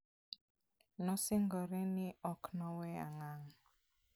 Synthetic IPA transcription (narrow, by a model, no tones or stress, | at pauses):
nɔsɪŋɡɔɾɛnɪɔknɔwɛa̰ŋaŋ